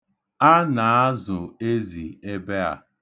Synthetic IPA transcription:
a˦na˨˦a˦zʊ˨e˦zi˨e˦be˦a̰˨

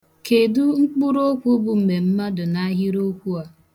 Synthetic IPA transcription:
ke˨du˦ŋ͡m̩˦k͡pʊ˦ɾo˦kʷu˦bʊ˦m̩˨me˨m̩˦ma˦dʊ˨na˦ɦi˦ɾo˦kʷu˦a˨

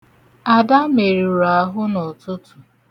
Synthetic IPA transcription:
a˨da˦me˨ɾi˨ɾa˨ɦʊ˦nɔ˨tʊ˦tʊ˨

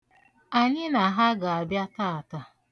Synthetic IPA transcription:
a˨ɲɪ˦na˨ɦa˦ɡa˨a˨bja˦ta˦˨a˨ta˨

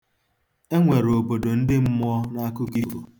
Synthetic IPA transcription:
e˦ŋʷe˨ɾo˨bo˨do˨n̩˦dɪ˦m̩˦mʊ˦ɔ˦na˦kʊ˦ki˦˨o̰˨

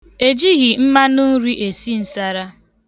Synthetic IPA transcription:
e˨d͡ʒi˦ɣi˨m̩˦ma˦nu˦ɾi˦ʔe˨si˦n̩˨sa˦ɾa˦

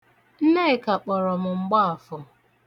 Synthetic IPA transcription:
n̩˦ne˦ɪ˨ka˨k͡pɔ˨ɾɔ˨mʊ˨ŋ͡m̩˨ɡ͡ba˦a˨fʊ˨

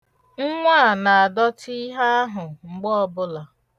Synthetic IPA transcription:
ŋ̩˦ŋʷa˦˨na˨a˨dɔ˦ti˦ɦa˦a˦ɦʊ˨ŋ͡m̩˨ɡ͡bɔ˦bʊ˦la˨

